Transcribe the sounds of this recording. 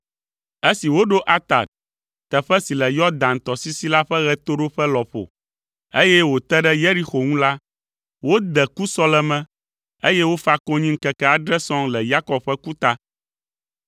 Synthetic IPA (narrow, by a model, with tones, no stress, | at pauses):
e˦si˨wo˦ɖo˦ʔa˦t̪a̰˨t̪̚ | t̪ɛ˨ɸɛ˦si˨lɛ˨jɔ˦d̪ã˨nt̪ɔ˨si˦si˦la˦ɸɛ˦ɣɛ˦t̪o˦ɖo˦ɸɛ˦lɔ˨ɸo̰˨ | e˦jɛ˦wo˨t̪ɛ˦ɖɛ˦je˦ɾi˦xo˨ŋũ˦la˦ | wo˦d̪ɛ˨ku˦sɔ˦lɛ˦mɛ̃˦ | e˦jɛ˦wo˦fa˦kɔ˦ɲĩ˦ŋ̩˦kɛ˨kɛ˦a˨ɖɾɛ˦sɔ̃˦ŋlɛ˨ja˦kɔ˨b̚ɸɛ˦ku˦t̪a˦